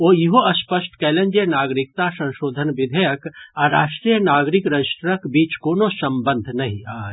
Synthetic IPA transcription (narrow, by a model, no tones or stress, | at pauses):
oːjɪɦoɐspəsʈkɛːlẽnd͡ʒenaːɡɾɪk̚t̪asɐ̃nʃoːd̪ʱənʋɪd̪ʱəjəkaːɾaːʃʈɾiːjənaːɡɾɪkɾɐd͡ʒɪʃʈəkbiːt͡ʃkoːnosɐ̃mbə̃nd̪ʱnɐɦĩaːe